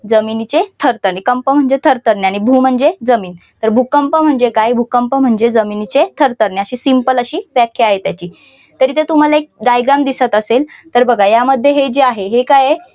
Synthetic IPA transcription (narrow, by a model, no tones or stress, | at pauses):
d͡zəminit͡set̪ʰəɾt̪əɾnekəmpəm̤əɳd͡zet̪ʰəɾt̪əɾneaɽ̃ibʱuːm̤əɳd͡zed͡zəmiːn | t̪əɾbʱukəmpəm̤əɳd͡zekajbʱukəmpəm̤əɳd͡ʑed͡zəminit͡ɕet̪ʰəɾt̪əɾneəɕiːsimpələɕiːʋjakʰjəaɦet̪jat͡ɕiː | t̪əɾiːt̪et̪um̤alaek̚ɖajɡɾamd̪isat̪əselt̪əɾbəɡʱajaməd̪ʱːjeɦed͡ʑeaɦeɦekaje